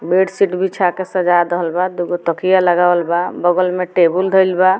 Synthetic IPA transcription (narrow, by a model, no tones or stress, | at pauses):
beʈsiʈbʱit͡ʃʰakesəd͡ʒad̪əɦəlbad̪uɡot̪ɔkijaləɡawəlbabɔɡəlmeʈebuld̪ʱəilba